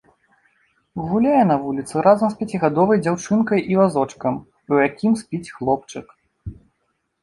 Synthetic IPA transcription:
ɣulʲajɛn̪ɐvulʲit̪sɨɾazɐmspʲɛt͡sʲiɣad̪ɔvɐjd͡zʲawt͡ʂɨnkɐjʔivazɔt͡ʂkɐm | ujakʲimspʲit͡sʲxlˠɔp̚t͡ʂɨk

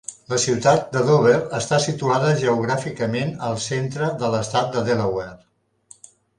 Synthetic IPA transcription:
ləsiwt̪at̪̚d̪əðoβerəst̪asit̪uaðəʒəuɣɾafikəmenəlˠsent̪ɾəðələst̪at̪̚d̪əðeləwɛr

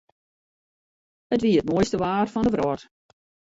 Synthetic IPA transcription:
ətʋiəət̚moəjstəʋaːrfɔndəvrɔt

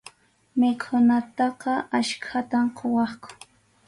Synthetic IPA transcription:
mɪkʰʊnat̪ɑqɑaʃkʰat̪amqʰowɑχkʊ̥

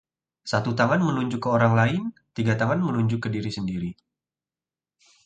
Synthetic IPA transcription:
sat̪ut̪aŋanmənuɲd͡ʒʊkːəoɾaŋlaɪnt̪iɡat̪aŋanmənuɲd͡ʒʊkːədiɾisəndiɾi

